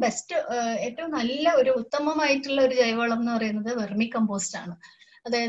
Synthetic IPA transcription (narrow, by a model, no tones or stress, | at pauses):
be̞stɨe̞ːtːɐʋumnɐlːɐo̞ɾuːt̪ːɐmɐmaːjitːuɭːɐo̞ɾud͡ʑɐjʋoːɭɐmenːɨpɐrɐjunːɐðɨʋermikːɐmbo̞ːsta̰ːɳɨ | ɐðaːjɐð